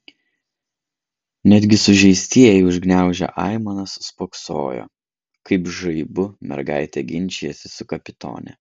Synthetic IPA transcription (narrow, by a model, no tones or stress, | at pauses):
nʲɛd̪ʲɡʲɪsʊʒʲɛɪsʲt̪ʲiɛjɛɪʊʒʲɡnʲæˑʊʒʲɛ̰ʔɑˑɪmɐnɐsːpokso̰ːjo̰ː | kɐɪpʒɐɪbʊmʲɛ̰ɾɡɑɪt̪ʲɛɡʲɪnʲt͡ʃʲijɛsʲɪ̥sʊkɐpʲɪt̪o̰ːnʲɛ̰